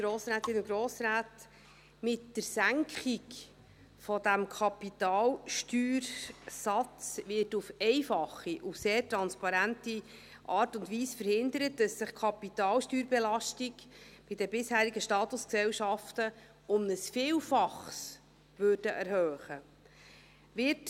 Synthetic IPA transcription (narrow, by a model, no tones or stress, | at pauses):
ɡ̥ɾoːsɾæːt̪ɪnuɡɾoːsɾæːt | mɪtdəɾsæŋkʰχik | fɔdæmkʰɑpitɑːlʃtyːɾsɑt͡sʋɪɾtufɛɪfɑχiʔuseːrtɾɑnspɑɾænti | ʔɑːrtʊndʋiːsfəɾhɪnd̪əɾət̚dɑsːɪχkʰɑpitɑːlʃtyːɾbɛlɑʃtikb̥ɪdəbɪshæːɾiɡəʃtɑːt̪ʊsksɛwʃɑftə | ʊmnəsfiːlfɑχs | ʋøːrd̥əʔɛɾhœːχə | ʋɪt